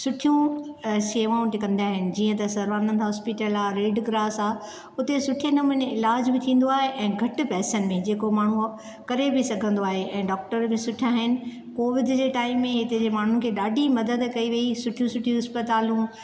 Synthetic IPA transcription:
sʊʈʰijũʃeːʋaːũʈɪkɐ̃nd̪iaːɦɪnɪ̆d͡ʑiːə̃t̪ɐsɐɾʋaːnə̃nt̪aɦɔːspɪʈəlaːɾeːɖɡɾaːsaː | ʊt̪esʊʈʰienɐmʊneɪlaːd͡ʑbɪt̪ʰĩːn̆d̪oaːɦeʔɛ̃ːɡʱɐʈɪ̆pɛːsənɪ̆mẽd͡ʑeːkomaːɳ̤ũ | kɐɾebʱɪsɐɡʱə̃nd̪oaːɦeʔɛ̃ːɖɔːk̚ʈəɾbɪ̃sʊʈʰijaːɦɪnɪ̆ | koːʋɪd̪d͡ʑeːʈaːɪmːẽɦɪt̪ed͡ʑeːmaːɳ̤ʊnɪ̆kʰeːɗaːɖʱimɐd̪əd̪kɐiʋɐisʊʈʰijũsʊʈʰijũɦɪspət̪aːlũ

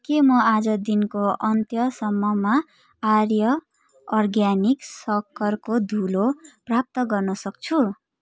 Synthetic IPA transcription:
kemʌad͡zʌd̪inkoʔʌnt̪jʌsʌmːʌma | arjʌː | rɡjaniksʌkʰːʌrkod̪ʱuloprap̚t̪ʌɡʌrnʌsʌk̚t͡sʰu

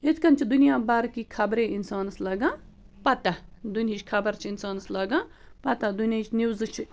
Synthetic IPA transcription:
ɪt̪ʰkɐnt͡ʃʰid̪unijãːbɐɾkiːkʰɐbɾẽːɪnsaːnslɐɡãː | pɐt̪ad̪unit͡ʃʰkʰɐbəɾt͡ʃʰinsaːnslɐɡãː | pɐt̪ad̪unjãt͡ʃʰnuwzt͡ʃʰ

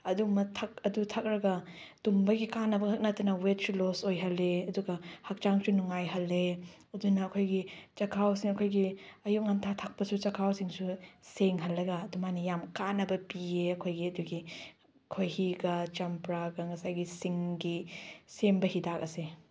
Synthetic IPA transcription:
ɐdumɐtʰɐk̚ɐdutʰɐk̚ɾɐɡɐdumbɐɡikanːɐbɐhʰɐk̚nɐtɐnɐwet̚sulosojɦɐlːeɐduɡɐhɐk̚t͡ʃaŋsunuŋajɦɐlːe | ɐdunɐːkʰojɡit͡ʃɐkʰawsiŋɐkʰojɡiɐjuk̚ŋantʰatʰak̚pɐsut͡ʃɐkʰawsiŋsuseŋɦɐlːɐɡɐːdumanijamkanːɐbɐpieɐkʰojɡiɐduɡi | kʰojhiɡɐt͡ʃɐmpɾaɡɐŋɐsajɡisiŋɡisembɐhidak̚ɐse

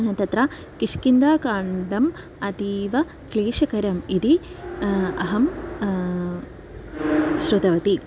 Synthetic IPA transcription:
ɦɐt̪ɐt̪ɾaː | kiʂkind̪aːkaːɳɖɐm | ɐd̪iːʋɐ | kleːʃɐkɐɾɐmid̪i | ɐɦɐm | ʃɾut̪ɐʋɐt̪i

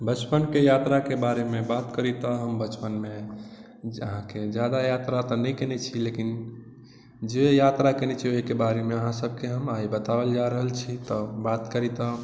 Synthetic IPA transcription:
bət͡ʃpənkejat̪ɾakebaɾemẽbat̪kəɾit̪ɔɦəmbət͡ʃpənme | ə̰ɦãked͡ʒjad̪ajat̪ɾat̪ɔnɛjkenɛt͡ʃʰilekin | d͡ʒejat̪ɾakenɛt͡ʃʰioɦikebaɾemeəɦãsəbʱkeɦəmaibət̪abəld͡ʒaɾəɦəlt͡ʃʰit̪ɔbat̪kəɾit̪ɔ

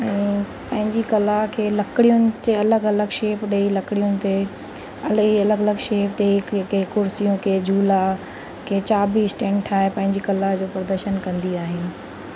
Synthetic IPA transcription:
ɛ̃ː | pɐ̃ɦɪ̃ɲd͡ʑikɐlaɦkʰeːlɐkɪɽijʊnɪ̆t̪eɐləɡɐləɡʃeːpɗeilɐkɽijʊnɪ̆t̪e | ɐliɐləɡɐləɡʃeːpɗeikekʊɾsijũkeːd͡ʑuːla | kʰeːt͡ɕaːbiːsʈẽːɳʈʰaːɦepɐ̃ɦɪ̃ɲd͡ʑikɐlaɦd͡ʑoːpɾɐd̪əɾʃənkɐ̃nd̪iaːɦɪnɪ̆

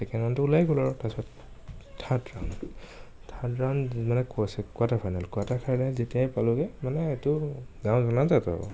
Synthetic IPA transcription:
sɛkʰanantʊulajɡɔlɔɹɔtasɔt | tʰatɹa̰wn | tʰadɹawnmanɛkasɛkwatapʰajnalkuatakʰaɹlazetijajpalʊɡɛmanɛetʊɡãw̃zɔnazatɔ̰bɔ̰

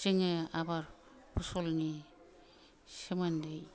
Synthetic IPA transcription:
seŋeabaɾ | pʰusɔlni | semandej

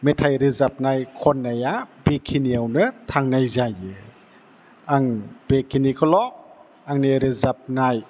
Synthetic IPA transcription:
metʰajɾizap̚najkʰɔnːajabekʰiniawnɯtʰaŋnajzajɯ | aŋb̥ekʰinikʰɔlɔʔ | aŋneɾizap̚naj

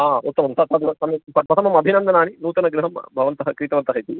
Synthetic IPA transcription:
aːut̪ːɐmɐmsɐt̪ɐd̪ɐt̪ɐmɐpɐpɐt̪ʰɐmɐmɐbʱinɐnd̪ʱɐnaːninuːt̪ɐnɐɡɾuɦɐmbʱɐʋɐnt̪ɐɦɐkɾiːt̪ɐʋɐnt̪ɐɦɐjt̪i

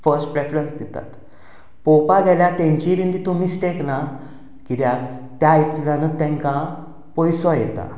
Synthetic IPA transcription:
fəɾsʈpɾefɾənsd̪ɛt̪a̰t̪ | pɔpaɡ̪aljat̪ɛ̃ɲt͡ɕiʋind̪it̪umisʈekna | kid̪jat̪jajplanət̪ɛ̃ŋka | pɔjsɔjɛt̪a̰

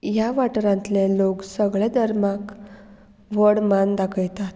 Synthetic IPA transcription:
jaʋaʈɾãnt̪leloksəɡɭɛd̪ʱəɾmak | ʋəɽmand̪akʰəjt̪at̪

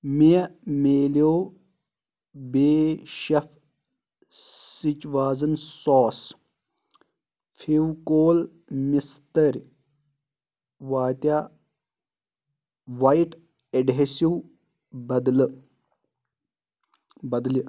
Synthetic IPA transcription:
mijɐmeːloː | beːʃɐfʰ | sit͡ʃʋaːzɐnsɔːs | fʰiwkoːl | mist̪ɐɾʲ | ʋaːt̪ja | ʋajʈ | eɖɦesiw | bɐd̪lɨ | bɐd̪li

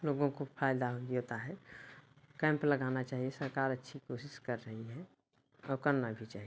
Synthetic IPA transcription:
loːɡõkopʰaːɪd̪aɦooːt̪aɦɛ | kɛ̃ːmpləɡanat͡ʃaːɦiesəɾkaːɾətːʃʰikoːsɪʃkəɾːəɦiɦɛ | ɔːɾkəɾnabʱit͡ʃaːɦie

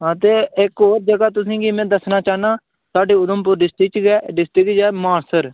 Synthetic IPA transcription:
ɦat̪eːɪkoːɾd͡ʒəɡaːt̪ʊs̬ĩːɡiːmɛ̃ːd̪əsnaːt͡ʃaːnaː | saːɖiːʊd̪əmpʊɾɖɪsʈɪkt͡ʃɡɛːɖɪsʈɾɪkd͡ʒɛːmaːɳsəɾ

